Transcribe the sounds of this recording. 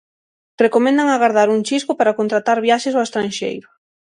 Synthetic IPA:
rekomẽnd̪aŋaɣaɾðaɾuŋt͡ʃiskʊpaɾakont̪ɾat̪aɾβjaʃesoest̪ɾanʃḛjɾʊ

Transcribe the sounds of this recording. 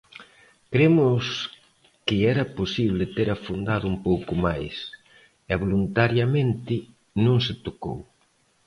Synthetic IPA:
kɾemʊs | kɪɛɾɐposiβlɪt̪eɾafund̪aðʊumpowkʊmajs | ɛβolunt̪aɾjɐmẽnt̪ɪ | nõŋsɪt̪oko̰w

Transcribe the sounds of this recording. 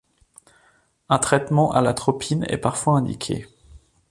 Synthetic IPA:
ɛ̃t̪χɛt̪mɑ̃ʔalat̪χɔpʰinɛ̰paʁfwaɛ̃d̪ḭkʲʰḛ

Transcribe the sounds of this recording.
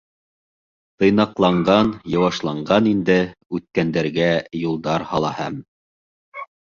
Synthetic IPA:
t̪ɤ̆jnɑqlˠɑɴɢɑnjɑ̆wɑʃlˠɑɴɢɑnind̪ɘʉt̪̚kænd̪æɾɡæjulˠd̪ɑɾhɑlˠɑhæm

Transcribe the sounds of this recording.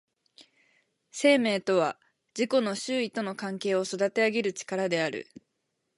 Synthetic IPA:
se̞ːme̞ːt̪o̞β̞a | d͡ʑiko̞no̞ɕɨːit̪o̞no̞kãŋke̞ːo̞so̞d̪at̪e̞aɡʲeɾɯ̟t͡ɕi̥kaɾad̪e̞aɾɯ̟̰

